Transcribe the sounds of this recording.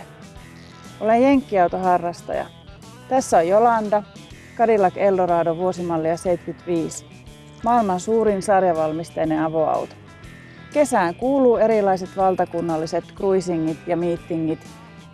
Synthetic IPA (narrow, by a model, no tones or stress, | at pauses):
ʔo̞lejjeŋkːiɑwt̪oɦɑrːɑst̪ɑ̰jɑ̰ | t̪æsːojolɑnd̪ɑ | kɑdilɑke̞ldoɾɑːdoʋuo̞simɑlːiɑseit̪kyt̪ʋiːs | mɑːilmɑnsuːɾinsɑrjɑʋɑlmist̪ejneɑʋoɑ̰wt̪o̥ | ke̞sæːŋkuːluːe̞ɾilɑjs̬et̪ʋɑlt̪ɑkunːɑlːise̞t̪kruisiŋːit̪jɑmiːt̪ːiŋːit̪